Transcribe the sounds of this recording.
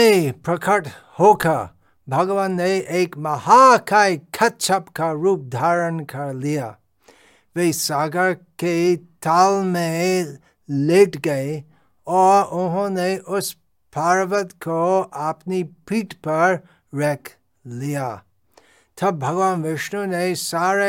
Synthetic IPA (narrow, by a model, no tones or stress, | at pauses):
epɾɐkʰəʈ | hoːka | bʱɐɡʋanːeʔeːkmɐhakʰaekʰɐt̪̚t͡ʃʰɐpkaɾuːp̚d̪ʱaːɾənkɐɾlija | ʋeisaːɡəɾket̪aːlmẽ | leːʈɡɐe | ɔːɾʊɦõneʔʊs | pʰaːɾʋət̪kʰoapnipiːʈpɐɾ | ɾɛkʰ | lija | t̪ʰɐb̚bʱɐɡʋaːnʋɪʃnunesaːɾe